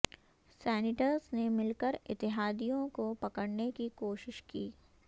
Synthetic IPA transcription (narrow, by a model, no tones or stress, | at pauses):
sɛːnɪʈəɾznemɪlkəɾɪt̪ːɪɦaːd̪ijõkopɐkəɽnekikoːʃɪʃkiː